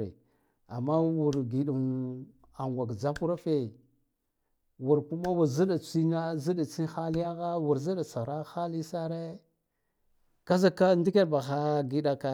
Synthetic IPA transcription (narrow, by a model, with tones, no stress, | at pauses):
ɾḛ˨ | a̰˨mːa˦wu˨ɾɡi˨ɗu˨n | a˨ŋɡʷa˨ɡd͡za˦pu˦ɾa˦fe˨ | wu˨ɾku˦ma˦wu˨ɾzi˦ɗa˨t͡si˦na˦zi˦ɗa˨t͡si˦xa˦li˦ja˦ɣa˦wu˨ɾzi˦ɗa˨t͡sa˨ɾa˦xa˦li˦sa˦ɾe˦ | ka˦za˦ka˦ndi˦ke˦ba˨xa˦ɡi˦ɗa˨ka˨